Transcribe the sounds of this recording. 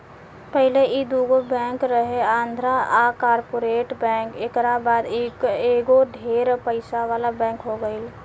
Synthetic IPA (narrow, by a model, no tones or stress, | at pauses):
pəɦɪleʔid̪uːɡobɛ̃ːkɾəɦeãːnd̪ʱɾaakaːɾpoːɾeːʈbɛ̃ːkeːkɾabaːd̪ekeːɡod̪ʱeːɾpəɪsaʋaːlabɛ̃ːŋkɦoɡəɪl